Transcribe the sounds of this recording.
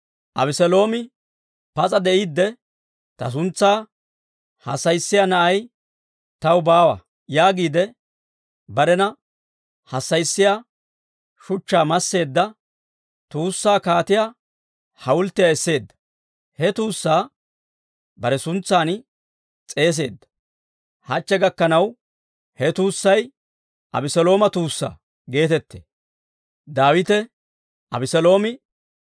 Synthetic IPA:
ʔɐbɪsɛlo̞ːmɪ | pɐt͡sʼɐd̪ɛʔid̪ːɛ | t̪ɐ̰s̬ʊnt͡sːaː | hɐ̰sːɐjsːɪjanɐʔɐj | t̪ɐwbaːwɐ̰ | jaːɡiːd̪ɛ | bɐɾɛnɐ | hɐsːɐjsːɪjaː | ʃʊt͡ʃːaːmɐsːe̞ːd̪ːɐ | t̪uːsːaːkaːt̪ɪja | hɐwʊlt̪ːɪjaɛsːe̞ːd̪ːɐ̥ | hɛt̪uːsːaː | bɐɾɛsʊnt͡sːaːn | t͡sʼe̞ːs̬e̞ːd̪ːɐ̥ | hɐt͡ʃːɛɡɐkːɐnɐw | hɛt̪uːsːɐj | ʔɐ̰bɪsɔlo̞ːmɐt̪uːsːa̰ː | ɡe̞ːt̪ɛt̪ːḛ | d̪aːwɪt̪ɛ | ʔɐbɪsɛlo̞ːmɪ

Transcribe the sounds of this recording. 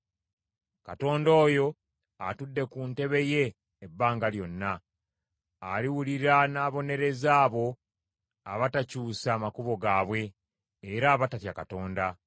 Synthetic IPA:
ka̰to̞ːndo̞ːjo̞ | a̰tudːe̞kunte̞βe̞je̞ː | bːaːŋɡaljo̞nːa | liwuliɾanaːβo̞ne̞ɾe̞zaːβo̞ | a̰βatacuːsaːmakuβo̞ɡaːβwe̞ː | ɾaːβatatjakato̞ːnda

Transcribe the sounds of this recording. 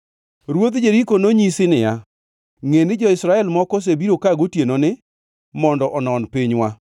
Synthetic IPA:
ɾwot̪d͡ʒeɾikonoɲisɪnɪja | ŋenɪd͡ʒɔɪsɾaɛlmɔkos̬ebiɾokaɡotjenonɪ | mɔndɔʔɔnɔnpiɲwa

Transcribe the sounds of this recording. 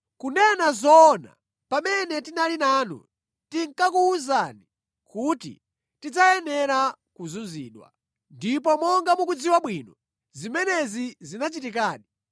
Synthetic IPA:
kunɛnazɔna̰ | pamɛnɛtinalinaːnṵ | tiŋkakuuzani | kutḭ | tid͡zajɛnɛɾakuzunzḭːɗwa̰ | ndip̬ɔmɔŋɡamukud͡ziwaɓwinɔ | zimɛnɛzizinat͡ʃitik̬aːɗi

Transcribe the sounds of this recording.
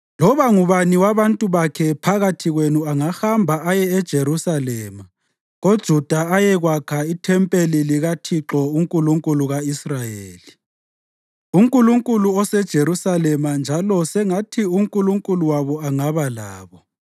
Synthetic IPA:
lɔβaŋuβaniwaβantʼuβakʰɛpʰaɣatʰiɣwenuaŋahambʱaajɛɛd̥ʒ̥ʱeɾusalɛːma | ɣod̥ʒ̥ʱud̥ʱaajɛɣwakʰaitʰɛmpʼeliliɣatʰiǁɔuŋkʼuluŋkʼuluɣaisrajeːli | uŋkʼuluŋkʼuluɔsɛd̥ʒ̥ʱeɾusalɛmand͡ʒʱalɔsɛŋatʰiuŋkʼuluŋkʼuluwaβɔaŋaβala̰ːβɔ

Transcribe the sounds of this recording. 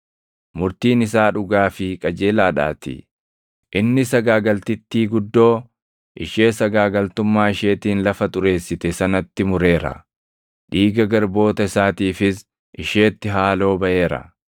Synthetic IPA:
mʊɾt̪iːnɪsaːᶑʊɡaːfɪkʼɐd͡ʒe̞ːlaːᶑa̰ːt̪ɪ̰ | ʔɪnːɪsɐɡaːɡɐlt̪ɪt̪ːiːɡʊd̪ːo̞ː | ʔɪʃeːsɐɡaːɡɐlt̪ʊmːaːɪʃe̞ːt̪iːnlɐfɐt̪ʼʊɾe̞ːsːɪt̪ɛsɐnɐt̪ːɪmʊɾe̞ːɾɐ̰ | ᶑiːɡɐɡɐɾbo̞ːt̪ɐɪsaːt̪iːfɪs | ʔɪʃeːt̪ːɪɦaːlo̞ːbɐʔe̞ːɾɐ̰

